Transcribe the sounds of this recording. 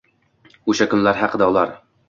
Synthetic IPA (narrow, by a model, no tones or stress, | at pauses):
ɵʃakʲɵnlæɾɦaqəd̪æulˠɑɾ